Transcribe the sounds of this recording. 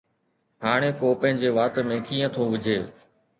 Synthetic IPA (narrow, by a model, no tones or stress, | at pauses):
haːɽ̃eːkoːpə̃ɦɪ̃ɲd͡ʑeːʋaːt̪mẽːkiːə̃t̪ʰoːʋɪd͡ʑʱeː